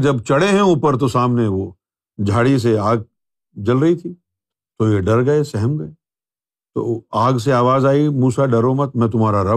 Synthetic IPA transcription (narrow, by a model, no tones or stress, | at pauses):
d͡ʒɐbt͡ʃɐɽeɦɛ̃uːpəɾt̪̬osaːmneʋo | d͡ʒʱaːɽis̬eaːɡ̚ | d͡ʒɐlɾɐɦit̪ʰiː | t̪ojeɖɐɾɡɐesɛɦɛmɡɐe | t̪o̰ːaːɡs̬eaːʋaːzaːimuːsaɖɐɾomɐt̪̚mɛ̃ːt̪ʊmɦaːɾaɾɐ